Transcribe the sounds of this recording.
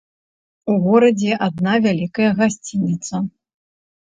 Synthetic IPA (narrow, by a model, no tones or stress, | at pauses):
uɣɔɾɐd͡zʲɛʔad̪̚navʲalʲikɐjɐɣasʲt͡sʲinʲit̪sɐ